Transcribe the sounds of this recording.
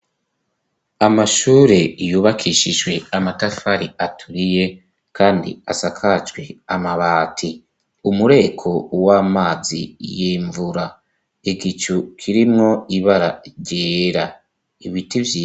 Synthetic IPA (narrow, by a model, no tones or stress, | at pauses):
amaʃuːɾe̞juːβakʰiʃiʒɡwe̞amatafaɾiatʰuɾije̞ | kʰaːndḭasakʰat͡ʃɡwe̞amaβaːtʰi | umuɾe̞kʰo̞waːmaːzḭjiːɱvuɾa | eɡit͡ʃukʰiɾimŋo̞iβaɾa̰ɾɟeːɾa | iβitivji